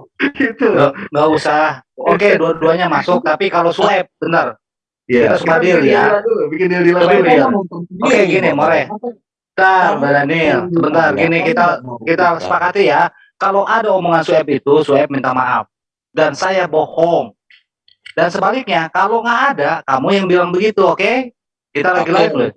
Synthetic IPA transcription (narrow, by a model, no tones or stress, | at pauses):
ɡit̪uŋɡausahokeduaduaɲamasʊk̚t̪apikalosuɛp̚bənt̪ər | kit̪asubadiljabikɪndidilailaokeɡinɪmoɾɛh | t̪abadanɪlsəbənt̪ərɡinɪkit̪akit̪asə̥pakat̪ija | kaloʔadaumoŋansuɛp̚it̪usuɛp̚mint̪ama̰ʔa̰f | dansajabohɔŋ | dansəbalɪk̚ɲakaloŋaʔːdakamujaŋbilaŋbəɡit̪uoke | kit̪alaɡilaɡitlɪ